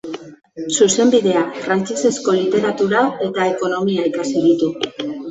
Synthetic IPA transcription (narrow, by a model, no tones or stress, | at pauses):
suse̞mbiðe̞afɾant͡ʃese̞sko̞lit̪e̞ɾat̪uɾae̞t̪ae̞ko̞no̞miaikasiðit̪u